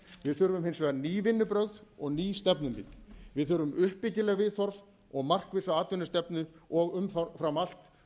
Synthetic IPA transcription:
vɪðθʏɾvʏmhɪnsvɛːɣaniːvɪnːʏpɾœɣðɔɣniːst̪ɛpnʏmpḭt̪vɪðθʏɾvʏmʏhpːɪcɪlɛːɣvɪðθɔɾv | ɔɣmar̥kvɪsaaːt̪ʏnɪst̪ɛpnʏɔɣʏmffɾamal̥t̪

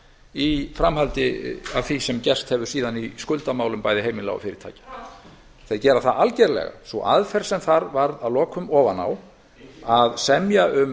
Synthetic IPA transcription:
ifɾamhalt̪ɪaðθisɛmcɛr̥st̪hɛvʏ̥siːðaniskʏlt̪amaːwlʏmpaːjðɪheːjmɪna̰ɣɔ̰fɪːɾɪɾt̪ʰa̰ːcḁ | θeðcɛːɾaθaalcɛɾlɛ̰ɣa̰svɔ̰ʔaðfɛɾ̥sɛmθaɾvaɾðaðlɔːkʰʏmɔːvana̰w | aðsɛmjaʔʏm

